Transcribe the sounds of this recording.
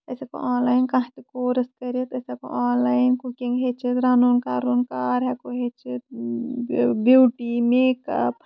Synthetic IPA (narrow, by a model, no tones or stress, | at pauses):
ɐseko̰ʔãːnlaːjnkãːɦt̪ikoːɾɐskɐɾət̪ɐseko̰ʔaːnlaːinkukĩŋɡɦet͡ʃit̪ɾaːnoːnkaːɾoːnkaːɾɦɛkoɦet͡ʃet̪̚ | buːʈimeːkɐ̰p̚